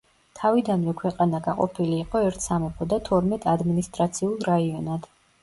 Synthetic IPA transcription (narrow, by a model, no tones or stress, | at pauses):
t̪ʰavid̪anvɛkʰwɛqʼanaɡaqʼɔ̰pʰiliːqʼɔɛɾt̪ʰsamɛpʰɔd̪at̪ʰɔɾmɛt̪ʼad̪minist̪ʼɾat̪sʰiulˠɾaiɔnad̪̥